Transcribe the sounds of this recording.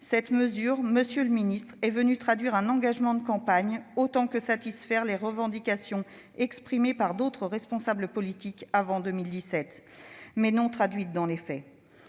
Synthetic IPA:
sɛt̪məzyʁməsjøləminist̪χɛvənyt̪χad̪ɥiʁɛ̃nɑ̃ɡaʒmɑ̃d̪əkɑ̃paɲot̪ɑ̃kəsat̪isfɛʁleʁəvɑ̃d̪ikasjɔ̃ | ɛkspχimepaʁd̪ot̪χəʁɛspɔ̃sabləpɔlit̪ikavɑ̃d̪əmild̪isɛt̪mɛnɔ̃t̪χad̪ɥit̪̚d̪ɑ̃lefɛ

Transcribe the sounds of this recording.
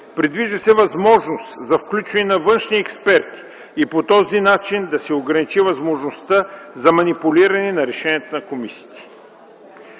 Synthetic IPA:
pɾid̪viʒəsɛvɐzmɔʒnost̪zɐfklʲut͡ʃvɐnɛnɐvɤnʃniɛkspɛɾt̪i̥ | ipot̪ɔzinat͡ʃind̪ɐsɛoɡɾɐnit͡ʃivɐzmoʒnost̪əzɐmɐnipulʲiɾɐnɛnɐɾɛʃɛnʲiət̪onɐkomisi̥t̪ɛ̥

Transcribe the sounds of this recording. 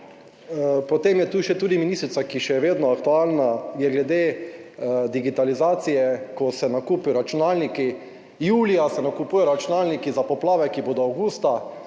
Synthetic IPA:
pɔt̪emjɛt̪uːʃɛt̪uːd̪iminist̪ɾit̪sakiʃɛʋeːd̪nɔakt̪uaːlnajɛɡlɛd̪eː | d̪iɡit̪alizaːt̪sijɛkɔsɛnakuːpiɔɾat͡ʃunalniki | juːlijasɛnakupuːjɔɾat͡ʃunaːlnikizapɔplaːʋɛkiboːd̪ɔawɡuːst̪a

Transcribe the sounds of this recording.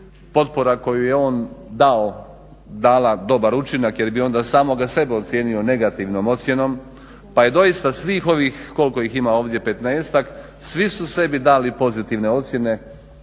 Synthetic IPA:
po̞t̪̚poɾako̞juje̞o̞ːnd̪ao | d̪aːlad̪o̞baɾut͡ʃinakje̞ɾbio̞nd̪aːsaːmo̞ɡase̞beo̞t̪sʲje̞ːnio̞ne̞ɡat̪iʋnomo̞t̪sje̞no̞m | paje̞d̪o̞jist̪asʋiːxo̞ʋiːxko̞lko̞iximaoːʋd̪je̞pe̞t̪neeːst̪ak | sʋisuse̞bid̪aːlipo̞zit̪iʋne̞o̞t̪sʲje̞ne̞

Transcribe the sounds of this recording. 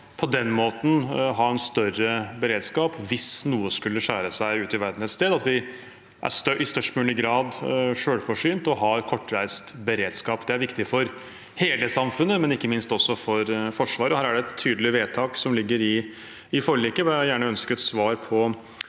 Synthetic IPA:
pʰɔd̪ɛnːmoːt̪n̩ɦɑɾɛnst̪œɾəbəɾeːd̪skɑːpʋɪsnuːəskʉlːəʂæːɾəsæɪʉːt̪ɪʋæɾd̪n̩ɛt̪st̪eːd̪ɑt̪ʋɪ | ʔæ̰ɾst̪ʔɪst̪œʂʈmʉːnɪɡɾɑːd̪ʂøːlfɔʂyːnt̪ɔɦɑɾkʰɔʈːɾæɪst̪bəɾeːd̪skɑːpd̪ɛæɾʋɪkt̪ɪfɔɾ | heːləsɑmfʉnːəmɛnɪkːəmɪnst̪ɔsːɔfɔɾfɔʂʋɑːɾəɔhæːɾæɖɛɛt̪ʰːyːd̪əlɪʋeːt̪ʰɑːksɔmlɪɡːəɾɪ | ɪfɔɭiːkəʋɪæɪjæːɳəœnskəɛt̪sʋɑːɾpʰɔ

